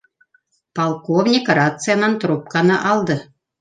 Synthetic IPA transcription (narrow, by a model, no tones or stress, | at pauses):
pɑlˠkovnʲikrɑt̪t͡sɨjɑnɑnt̪rup̚kɑnɤʔɑlˠd̪ɤ̆